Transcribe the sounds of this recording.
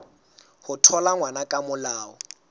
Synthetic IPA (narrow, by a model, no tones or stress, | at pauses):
hʊtʰɔlaŋwanakʼamʊlaːɔ